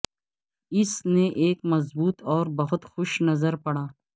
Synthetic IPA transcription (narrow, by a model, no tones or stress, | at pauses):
ɪsneʔeːkmɐzbuːt̪ɔːɾbɐɦʊt̪xʊʃnɐzəɾpɐɽaː